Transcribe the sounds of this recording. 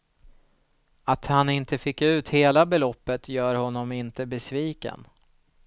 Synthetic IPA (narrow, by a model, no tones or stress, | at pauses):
at̪hanɪnt̪əfɪkːʉ̟ːt̪heːlabɛlɔpːət̪jœːɾhɔnːɔmɪnt̪əbɛsviːkə̰n